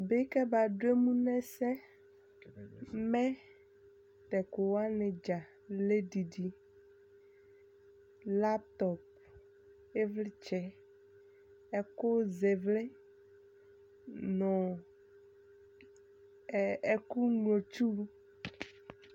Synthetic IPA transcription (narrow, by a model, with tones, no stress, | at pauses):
be˦kɛ˦ba˨ɖo˦e˦mũ˦nɛ̃˦sɛ˦ | mɛ̃˦ | t̪ɛ˨ko˨wa˦nẽ˨d͡ʒa˨ | le˦di˨ɖi˨ | la˦p̚t̪ɔ˨p̚ | e˦vle˦t͡ʃɛ˨ | ɛ˦ko˦ze˨vle˦ | nɔ̃˨ | e˦ku˦ŋlõ˨t͡ʃu˦